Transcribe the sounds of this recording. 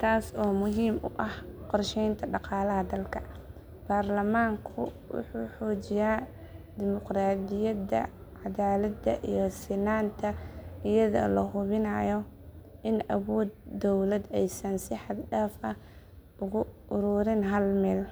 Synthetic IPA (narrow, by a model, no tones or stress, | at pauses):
t̪ʰaːsɔːmʊɦiːmʔʊ̰ʔɐhqɔrʃɛjnt̪ʰɐɖɑqɑːlɐɦɐd̪ɐlkʰɐ | b̥aːrlɐmaːŋkʰʊ̰wʊ̰ħṵːħɔːt͡ʃɪjaː | d̪ɪmʊqraːd̪ɪjɐd̪ɐ̰ | ʕɑðaːlɐd̪ɐ̰ʔijɔsɪnaːnt̪ʰɐɪjɐðɔ̰lɐɦʊβɪnɐjɔ | ʔɪnɐwɔːd̪ːɔwlɐd̪ɛjsɐnsɪħɑd̪ɖaːfɐ | ʔʊɣʊʔʊɾʊːɾɪnɦɐlmɛːl